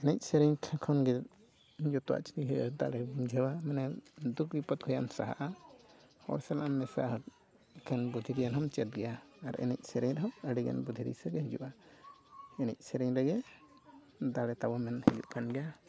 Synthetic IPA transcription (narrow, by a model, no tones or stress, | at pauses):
ɛnɛc̚sɛɾɛɲkʰɛkʰɔnɡɛ | d͡ʒɔt̪ɔwa̰ʔt͡ʃi̥t̪iɦɛd̪a̰ɽɛd͡ʒʱɛwamɛnɛd̪ukwipət̪̚kʰɔjamsa̰ɦa̰ʔa | hɔ̰ɾsɛlaʔammːɛsa | kʰɛnbud̪ʱiɾijanɦɔmt͡ʃɛt̪̚ɡɛjaaɾɛ̰nɛ̰c̚sɛɾɛɲɾɛɦɔməɽiɡɛ̰nbud̪ʱiɾḭsɛɡɛɦid͡ʒṵʔa | ɛnɛc̚ˀsɛɾɛɲɾɛɡɛ | d̪aɾɛt̪abɔmɛnhid͡ʒṵʔkanɡɛja